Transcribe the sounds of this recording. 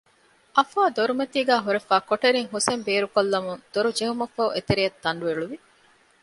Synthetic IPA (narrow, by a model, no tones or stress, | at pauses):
ʔɐfaːd̪oɾumɐt̪iːɡæːɦuɾefæːkoʈeɾiŋɦusembeːɾukolːɐmuŋd̪̥oɾud͡ʒeɦumɐfɐʔet̪eɾijɐt̪ːɐɳɖueɭuʋi